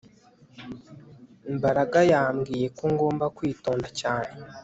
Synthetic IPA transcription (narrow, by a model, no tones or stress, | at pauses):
imbaɾaɡajaːmɡiːje̞kuŋɡo̞ːmbakwiːto̞ːndacaːne